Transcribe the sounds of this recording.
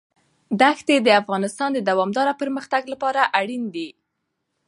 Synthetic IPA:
d̪axt̪ed̪əafɣɑnɪst̪ɑnd̪əd̪awɑmd̪ɑɾapəɾməxt̪aɡlapɑɾaʔaɽind̪i

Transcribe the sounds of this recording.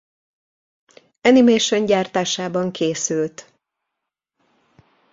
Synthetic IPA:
ɛnimeːʃoɲɟaːrt̪aːʃaːbɒŋkʰeːsylt̪

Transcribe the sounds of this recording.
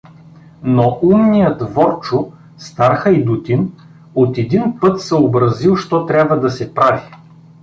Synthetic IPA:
noʔumnijəd̪vɔɾt͡ʃʊ | st̪aɾxɐid̪ut̪ʲin | ot̪ɛd̪inpɤt̪sɛobɾɐzilˠʃt̪ɔt̪ɾʲabvəd̪ɐsɛpɾavi

